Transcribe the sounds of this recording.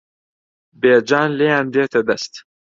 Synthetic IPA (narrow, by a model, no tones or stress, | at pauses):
beːd͡ʒaːnleːand̪eːt̪ɐd̪ɐst̪